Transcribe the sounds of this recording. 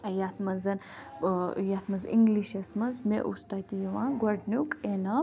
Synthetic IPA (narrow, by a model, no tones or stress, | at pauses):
jɐt̪mɐnzɐn | jat̪ʰmɐzḭŋɡliʃɐst̪mɐnzmḛʔust̪at̪ijɐʋãːɡwɐɾɖnukena